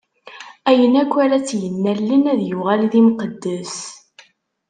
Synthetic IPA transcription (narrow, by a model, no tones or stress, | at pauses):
æjənækʷːæɾæt͡sːjənːælːinæðjʊʁælðimqəd̪ːəs